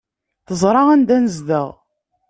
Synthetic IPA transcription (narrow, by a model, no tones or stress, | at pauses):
θəzˤɾˤɑʁænd̪ænəzðə̰ʁ